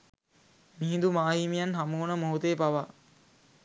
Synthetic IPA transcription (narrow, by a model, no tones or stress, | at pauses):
miɦĩnd̪umaːɦiːmijanɦamuːnəmoɦut̪ejpaʋa